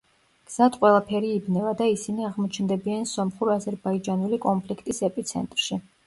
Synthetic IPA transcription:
ɡ̥z̥at̪ʰqʼwɛlˠapʰɛɾiːbnɛvad̪aisiniaʁmɔt͡ʃʰnd̪ɛbiansɔmχuɾazɛɾbaid͡ʒanulikʼɔmpʰlikʰt̪ʼisɛpʼit̪sʰɛ̰nt̪ʼɾʃi

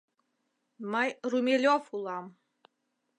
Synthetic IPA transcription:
məjrumʲelʲofulˠɑm

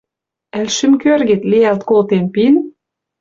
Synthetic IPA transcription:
ælʃɘ̆mkørɡet̪lejælt̪kolt̪enpin

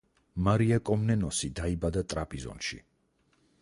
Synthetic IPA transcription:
maɾiakʼɔmnɛnɔsid̪aibad̪at̪ʼɾapʼizɔ̰nʃḭ

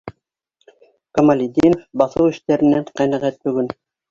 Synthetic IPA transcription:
komɐlʲid̪inofbɑθɤwɘ̆ʃt̪æɾɘ̆nːæɴqænæʁæt̪̚bɵ̆ɡɵn

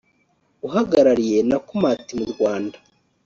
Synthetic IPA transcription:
uɦaɡaɾaɾije̞nakumaːtimuɾɡwaːnda

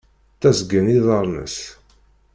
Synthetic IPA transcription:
t̪æzɡəniðˤəɾˤnə̰s

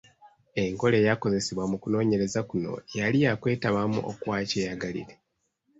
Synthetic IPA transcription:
e̞ŋko̞le̞ːjako̞ze̞siβwamukuno̞ːɲe̞ɾe̞zakuno̞̰jalijakwe̞ːtaβamṵʔo̰kwaːcejaɡalḭɾe̞

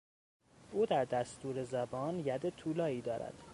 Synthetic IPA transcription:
ʔuːd̪æɾd̪æst̪uːɾe̞zæbɒːnjæd̪et̪ʰuːlɒːiːd̪ɒːɾæ̰d̪̥

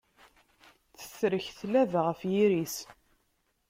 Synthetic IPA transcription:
θə̥θɾəçθlævʁəfjiɾis

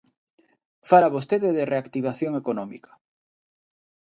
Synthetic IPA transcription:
faɾaβos̬t̪eðeðereakt̪iβ̞aθjoŋekonɔmḭkḁ

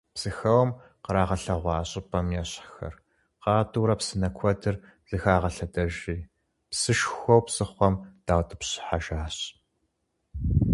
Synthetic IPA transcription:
psɨxɐwɐm | qəɾaːʁɐɬɐʁʷɑːɕʼɪpʼɐmjɛɕxɐ̰r | qɑːduːɾɐpsɨnɐkʷʰɔdɨr | z̥ɨxaːʁɐɬɐdɐʒiː | psɨʃxʷɔwpsɨχʷɔmd̥aːwtʰʼɨpɕɪ̥ħaʒaːɕ

